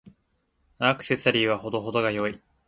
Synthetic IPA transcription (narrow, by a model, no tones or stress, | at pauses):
nakɯ̟̥se̞t͡sɨaɾʲiːβaho̞d̪o̞ɦo̞d̪o̞ɡajo̞i